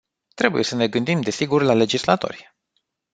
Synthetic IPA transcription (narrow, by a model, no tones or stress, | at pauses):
t̪ɾe̞bṵje̞səne̞ɡɨnd̪imd̪e̞siɡurlale̞d͡ʒislat̪o̞̰rʲ